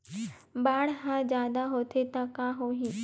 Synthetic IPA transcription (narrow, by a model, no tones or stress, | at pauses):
baːɽɦãd͡ʑjaːd̪aɦoːt̪ʰet̪ãkãːɦoːɦĩː